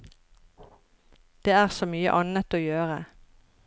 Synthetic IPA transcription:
d̪̥eːæːʁsoːmyːə̰ʔɑnət̪oːjøːʁə

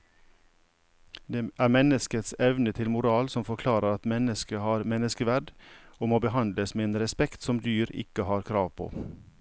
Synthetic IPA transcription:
d̪eːʔæːɾmɛnəskət̪sɛʋnət̪ʰɪlmʊɾɑːlsɔmfɔɾkʰlɑːɾəɾɑt̪mɛnəskəhɑːɾmɛnəskəʋæɖoːmoːbəhɑnd̪ləsmeːeːnɾɛspɛkt̪sɔmd̪yːɾɪ̰kəhɑːɾkʰɾɑːʋpʰo̰ː

